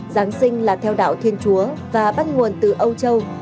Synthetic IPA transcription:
zaː˨˦ŋsï˧ŋ̟laː˨˩t̪ʰɛ˧wɗa̰ː˧˨wt̪ʰi˧ənt͡ɕu˨˦əvaː˨˩ɓaː˦˥t̚ŋu˨˩ənt̪ɨ˨˩ʔə˧wt͡ɕə˧w

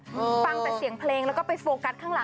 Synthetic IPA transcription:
fa˧ŋpa˧˩si˩˦əŋpʰleː˧ŋlɛ˦˥wkɔː˥˩pa˧jfoː˧ka˧˦˥t̪ʰːaː˥˩ŋla˩˦

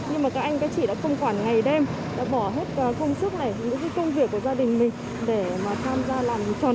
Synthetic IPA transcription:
ɲɨ˧ŋmaː˨˩kaː˦˥k̚ʔa˧jŋ̟kaː˨˦jt͡ɕḭ˧˩ɗa̰ː˧˥kə˧wŋ͡mkwaː˧˩nŋa˨˩jɗe˧m | ɗa̰ː˧˥ɓɔ˧˩ɦe˦˥t̚ːxə˧wŋ͡msɨ˦˥k̚na̰ː˧˩jɲɨ̰˧˥ŋk̬aː˨˦kə˧wŋ͡mvi˨˩əkːu˧˩əzaː˧ɗï˨˩ŋ̟mï˨˩ŋ̟ | ɗe˧˩maː˨˩t̪ʰaː˧mzaː˧laː˨˩m˨˩t͡ɕɔ˧˩

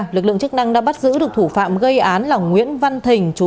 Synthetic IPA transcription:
lɨ˨˩k̚lɨ˧˨ŋt͡ɕɨ˦˥k̚na˧ŋɗa̰ː˧˥ɓa˦˥t̚zɨ̰˧˥ɗɨ˨˩ək̚t̪ʰu˧˩fa̰ː˧˨mɣə˧jʔaː˨˦nlaː˨˩wŋwḭ˧˥ənva˧nt̪ʰï˨˩ŋ̟t͡ɕu˨˦

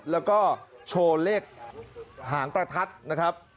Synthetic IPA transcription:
lɛː˦˥wkɔː˥˩t͡ɕʰoː˧leː˥˩k̚ | ɦaː˩˦ŋpɾa˧t̪ʰa˦˥t̪̚na˦˥kʰɾa˦˥p̚

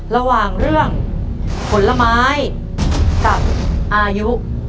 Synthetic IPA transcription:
ɾa˧waː˨˩ŋɾɯ˥˩əŋ | pʰo˩˦nla˧maː˦˥j | ka˨˩p̚ʔaː˧ju˦˥ʔ

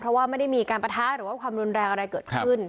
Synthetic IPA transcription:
pʰɾɔ˦˥waː˥˩ma˥˩jda˥˩jmiː˧kaː˧npɾa˧t̪ʰaː˦˥ɾɯː˩˦aː˥˩kʰwaː˧mɾu˧nɾɛː˧ŋʔa˧ɾa˧jkɤː˨˩t̪̚kʰɯ˥˩n

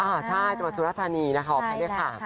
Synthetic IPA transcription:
ʔaː˧˩t͡ɕʰa˥˩jt͡ɕa˨˩ma˧uː˧ɾa˦˥˩t̪ʰaː˧niː˧na˦˥kʰa˥wɔ˨˩aː˧˥dɯ˥˩jkʰa˥˩

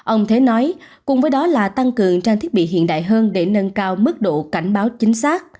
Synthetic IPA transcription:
ʔə˧wŋ͡mt̪ʰe˨˦nɔ˨˦j | kʊ˨˩ŋ͡mvəː˨˦jɗɔ˨˦laː˨˩t̪a˧ŋkɨ˨˩əŋt͡ɕaː˧t̪i˦˥ət̚ɓḭ˧˨ɦḭ˧˨ənɗa̰ː˧˨jɦəː˧nɗe˧˩nə˧nkaː˧wmɨ˦˥k̚ɗo̰˧˨ka˧˩jŋ̟ɓaː˨˦wt͡ɕï˨˦ŋ̟saː˦˥k̚

